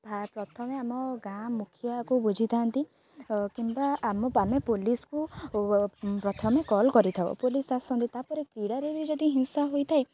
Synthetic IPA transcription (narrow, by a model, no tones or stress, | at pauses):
bʱapɾɔt̪ʰɔmeamɔɡãmukʰijakubud͡ʒʱit̪ʰant̪i | kimbaːmɔpamepolisɔ̥ku | pɾɔt̪ʰɔmekɔlkɔɾit̪ʰabɔ̰polisasɔnt̪it̪apɔɾekiɽaɾebid͡ʒɔd̪iɦinsaɦojt̪ʰae